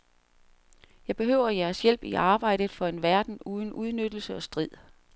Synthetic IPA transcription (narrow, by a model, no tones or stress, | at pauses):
jɑ̈ɪb̥e̝ɦø̰ʊ̰ɐjæɐsjel̰b̥iʔɑ̈ːb̥ɑ̈ɪ̰d̥ð̩ˠfɒ̽e̝nʋæɐd̥n̩uːð̞ˠn̩ʔuð̞ˠnød̥l̩səɒ̽sd̥ʁið̰ˠ